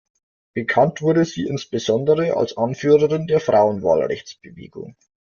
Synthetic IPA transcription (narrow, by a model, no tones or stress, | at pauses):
b̥əkʰantv̥ʊɐdəziːɪnsb̥əzɔndəʁəʔa̰lsʔanfyːʁəʁɪndeːɐfʁ̥aʊənva̰ːlʁɛ̰çt͡sb̥əvḛːɡʊ̰ŋ